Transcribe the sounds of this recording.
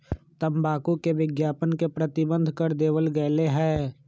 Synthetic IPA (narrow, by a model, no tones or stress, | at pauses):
t̪əmbaːkukeʋɪɡjaːpənkepɾət̪ɪbə̃nd̪ʱkɐɾd̪eːʋəlɡɐːleɦɛː